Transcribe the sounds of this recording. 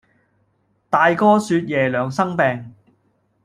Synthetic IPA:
t̪aː˨jkɔː˥syː˧t̚jɛː˨˩lœː˨˧ŋsɐ˥ŋpɛː˨˧ŋ

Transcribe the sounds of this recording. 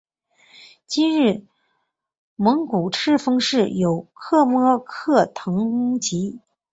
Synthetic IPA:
t͡ɕi˥nɻɻ̩˥˩ | mɤ˧˥ŋku˨˩ʈ͡ʂʰɻ̩˥fɤ˥ŋʂɻ̩˥˩jo˨˩ʊkʰɤ˥˧mɔ˥kʰɤ˥˩t̪ʰɤ˧˥ŋu˥t͡ɕi˧˥

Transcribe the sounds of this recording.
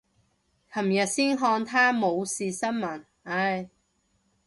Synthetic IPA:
hʰɐ˨˩mjɐ˨t̚siː˥nɦɔː˧nt̪ʰaː˥mo˨˧wsiː˨sɐ˥nmɐ˨˩n | ɐ˧j

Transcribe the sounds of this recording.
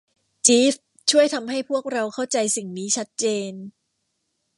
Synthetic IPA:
t͡ɕiː˦˥f | t͡ɕʰu˥˩əjt̪ʰa˧mɦa˥˩jpʰu˥˩ək̚ɾa˧wkʰa˥˩wt͡ɕa˧jsi˨˩ŋniː˦˥t͡ɕʰa˦˥t̪̚t͡ɕeː˧n

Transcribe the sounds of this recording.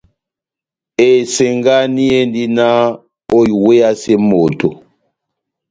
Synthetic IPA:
e˨se˨ŋɡa˦ni˦e˦ndi˦na˦ | o˦i˨we˦a˦se˦mo˨to˨

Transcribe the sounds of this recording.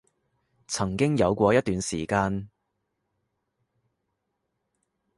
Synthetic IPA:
t͡sʰɐ˨˩ŋkɪ˥ŋjɐ˨˧wkʷɔː˧jɐ˥t̚t̪yː˨˧nsiː˨˩kaː˧n

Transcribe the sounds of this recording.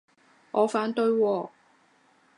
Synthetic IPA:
ʔɔː˨˧˥faː˨˥nt̪ɵ˧ɥwɔː˧

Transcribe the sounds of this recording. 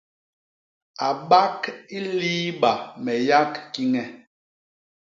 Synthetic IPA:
a˨ɓa˦ki˦liː˦ɓa˨mɛ˨ja˦kki˦ŋɛ˨

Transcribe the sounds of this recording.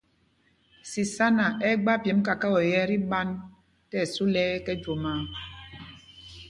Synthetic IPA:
si˨sa˦na˨ʔɛ˦ɡ͡ba˦pjɛ˨˦m˦ka˨ka˦wɔ˨jɛ˦ɾi˦ɓa˦n | tɛ˦˨su˦lɛː˦kɛ˦d͡ʒo˨maː˨˦

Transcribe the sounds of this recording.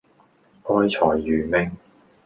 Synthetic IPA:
ʔɔː˧˥jt͡sʰɔː˨˩jːyː˨me˧˥ŋ

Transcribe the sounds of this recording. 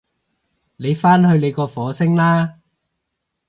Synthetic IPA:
ne˨˧jfaː˥nhɵ˧ɥle˨˧jkɔː˧fɔː˨˥sɪ˥ŋlaː˥

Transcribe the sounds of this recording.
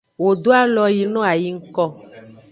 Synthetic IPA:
wo˨do˦a˦lɔ˨ji˨nɔ̃˦a˨ji˦ŋ̩˦kɔ˦

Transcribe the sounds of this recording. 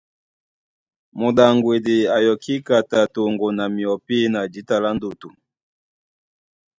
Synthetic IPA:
mo˨da˨ŋɡwe˨di˨a˨jɔ˨ki˦ka˨ta˨to˨ŋɡo˨na˨mi˨ɔ˨pi˦na˨d͡ʒi˨˦ta˨la˦ndo˨tu˨

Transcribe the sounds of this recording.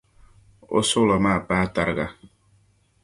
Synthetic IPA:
o̰˦sʊ˦lɔ˨maː˦˨paː˦ta˦ɾɡa̰˦

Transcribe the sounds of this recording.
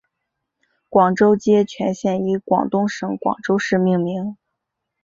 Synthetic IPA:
kwɑ˨˩ŋʈ͡ʂo˥ʊt͡ɕjɛ˥t͡ɕʰɥɛ˧˥nɕjɛ˥˩ni˧˥kwɑ̰˨˩ŋt̪ʊ˥ŋʂɤ˧˥ŋkwɑ̰˨˩ŋʈ͡ʂo˥ʊʂɻ̩˥˧mi˥˩ŋmi˧˥ŋ

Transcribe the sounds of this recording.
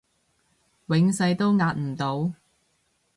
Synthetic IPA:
wɪ˨˥ŋsɐ˧jt̪o˥wŋaː˧t̚m̩˨˩t̪o˨˧w

